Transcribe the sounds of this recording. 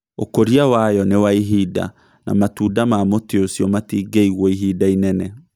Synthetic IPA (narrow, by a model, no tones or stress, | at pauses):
okoɾiawajɔnewaiɦida̰ | na̰matuːdamamoteosjɔmatiːɡeiɣwɔiɦiːdainɛnɛ